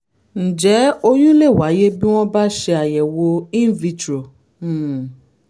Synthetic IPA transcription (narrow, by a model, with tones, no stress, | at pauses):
n̩˨d͡ʒɛ˨˦o˧jũ˦le˦˨wa˨˦je˦bi˦w̃ɔ̃˦ba˦ʃe˧a˨jɛ˨wo˧ĩ˦vi˧t͡ʃɾo˨